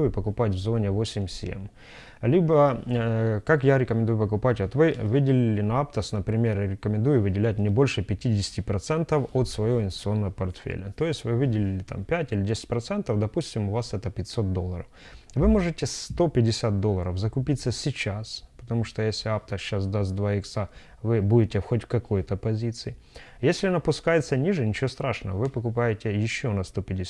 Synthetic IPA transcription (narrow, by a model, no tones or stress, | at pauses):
ujʊpəkʊpatʲvzo̞nʲɪvo̞sʲɪmʲsʲḛm | lʲibə | kakjaɾʲɪkəmʲɪnd̪ujʊpəkʊpatʲot̪vɨvɨdʲɪlʲɪlʲɪnɐapt̪əsnəpɾʲɪmʲerɾʲɪkəmʲɪnd̪ujʊvɨdʲɪlʲæt̚ʲnʲɪbo̞lʲʂɨpʲɪtʲidʲɪsʲɪ̥tʲɪpɾɐt̪sɛnt̪əfot̪svɐjoɪnsʲt̪sɨo̞nːəvəpɐrt̪fʲḛlʲət̪o̞jɪsʲtʲvɨvɨdʲɪlʲɪlʲɪt̪a̰mpʲætʲilʲɪdʲesʲɪ̥t̚ʲpɾɐt̪sɛnt̪əvd̪ɐpusʲtʲɪmʊvasɛt̪əpʲɪtʲso̞t̪̚d̪o̞lˠːəɾəf | vɨmoʐɨtʲest̪o̞pʲɪdʲɪsʲat̪̚d̪olˠːəɾəvzɐkʊpʲit̪sːəsʲɪt͡ɕaspə̥t̪ɐmuʂt̪ojesʲlʲɪapt̪əɕːas̬d̪astʲd̪vaɪksa | vɨbudʲɪtʲefxotʲfʲkɐko̞jt̪əpɐzʲit̪sɨɪ | jesʲlʲɪnɐpʊskajɪt̪sənʲiʐɨnʲɪt͡ɕɪʋost̪ɾaʂnəəvɨpəkʊpajɪtʲejɪɕːonɐst̪o̞pʲɪdʲɪ